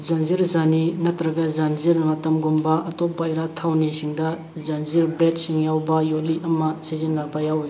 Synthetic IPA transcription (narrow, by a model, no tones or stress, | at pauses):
zanziɾzaninɐtɾɐɡɐzanziɾmɐtɐmɡumbɐɐtɔpːajɾatʰawnisiŋdɐ | zanziɾblet̚siŋjawbɐjoliʔɐmɐsizinlabɐjaw